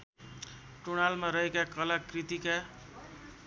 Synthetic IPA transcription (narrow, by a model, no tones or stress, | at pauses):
ʈuɽ̃almaɾʌɦekakʌlakrit̪ika